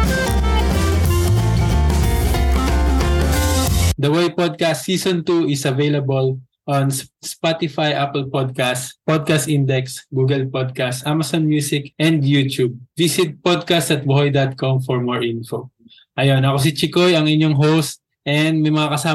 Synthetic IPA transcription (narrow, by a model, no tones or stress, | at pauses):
d̪ɐwejpod̪̚kast̪ːiːsɔ̃nt̪uɪsɐvejlɐbɐl | ʔɔnsspat̪ɪfajʔapɛlpod̪̚kast̪pod̪̚kast̪ʔind̪ɛksɡuːɡɛlpod̪̚kast̪ʔamɐsɔnmjuːsɪkʔɛ̃nd̪jut̪jub̚visɪt̪̚pod̪̚kast̪ɐt̪̚woojd̪at̪̚kɔmfɔɹmoɹʔĩnfo | ʔɐjo̞nɐkos̬ɪt͡ʃɪkojɐŋʔɪɲoŋɦowst̪̚ | ʔɛnd̪̚mɐjmɐŋakɐsaː